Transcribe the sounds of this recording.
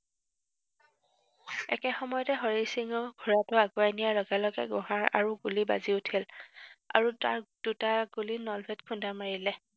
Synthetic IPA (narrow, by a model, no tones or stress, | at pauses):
ɛ̰kɛxɔmɔjɔtɛɦɔɹisiŋɔɡʱuɹatʊaɡuajnijalɔɡɛlɔɡɛ̰ɡɔ̃ɦaɹa̰ɹuɡuliba̰ziʊtʰila̰ɹuta̰ɹd̥utaɡulinɔlbʱɛtkʰundamaɹilɛ